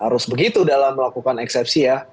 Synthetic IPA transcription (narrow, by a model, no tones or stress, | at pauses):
haɾʊsbəɡit̪udalamːəlakukanɛksɛpsija